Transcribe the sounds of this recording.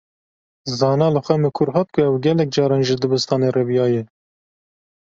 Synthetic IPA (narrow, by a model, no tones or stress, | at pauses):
zɑːnɑːlɨxʷɛmɨkʰʊɾɦɑːt̪̚kʰʊɛwɡʲɛlɛk̚d͡ʒɑːɾɑːnʒɨd̪ɨbɨst̪ɑːneːrevjɑːjɛ